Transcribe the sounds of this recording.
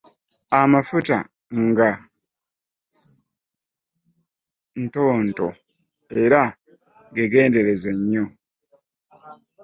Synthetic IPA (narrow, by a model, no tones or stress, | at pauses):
amafuta̰ | ŋɡa | nto̞ːnto̞̰ | e̞ɾa | ɡeɡe̞ːnde̞ɾe̞zeɲːo